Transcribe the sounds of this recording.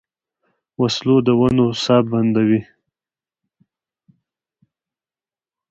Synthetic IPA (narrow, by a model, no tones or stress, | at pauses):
waslod̪əwanosɑbband̪awi